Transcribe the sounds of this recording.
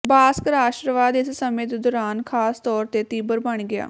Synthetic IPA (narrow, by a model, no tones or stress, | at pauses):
baːskəɾaːʃəɾʋaːd̪ɪssəmẽːt̪d̪ɔːɾaːnkʰaːst̪ɔːɾt̪eːt̪iːbəɾbəɳɡɪa̰ː